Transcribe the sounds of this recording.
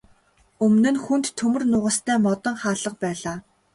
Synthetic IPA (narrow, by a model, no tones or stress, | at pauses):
ɵmnɵ̆nxunt̪ʰːɵmɵ̆rnʊʁə̆st̪ʰæːmɔt̪ɞ̆ɴχaːɮə̆q̚pæːɮaː